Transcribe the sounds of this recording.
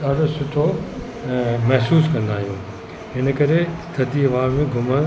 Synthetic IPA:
aːɖosʊʈʰo | mɐɦsuːskɐ̃nd̪aːɦijũː | ɪnə̆kɐɾest̪ɐt̪iɐʋaːbmẽɡʱʊmə̃

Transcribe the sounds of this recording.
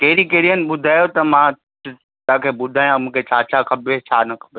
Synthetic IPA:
keːɪɾikeːɾiənɪ̆ɓʊd̪ʱaːjot̪ɐmã | t̪ãkʰebʊd̪ʱaːjãmũːkʰet͡ɕʰaːt͡ɕʰakʰɐbet͡ɕʰaːnɐkʰɐ̥be

